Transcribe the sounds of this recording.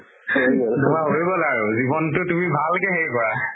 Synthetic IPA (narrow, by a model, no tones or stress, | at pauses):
dumaɦoɹjibɔlaɹuzibɔntʊtumibʱalkɛɦeɹjkɔɹa